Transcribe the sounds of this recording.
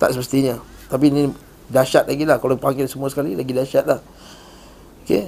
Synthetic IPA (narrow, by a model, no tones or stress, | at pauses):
t̪a̰ʔsəməst̪iɲa | t̪ap̬inĩ | daʃat̪̚laɡilahkaloipaŋasəmũasə̥kalilaɡidaʃat̪̚lah | okḛ